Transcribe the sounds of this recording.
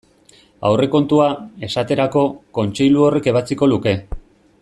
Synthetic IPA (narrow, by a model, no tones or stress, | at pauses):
a̰wre̞ko̞nt̪uae̞sat̪e̞ɾako̞ko̞nt͡ʃe̞jluo̞re̞ke̞β̞at͡siko̞luke̞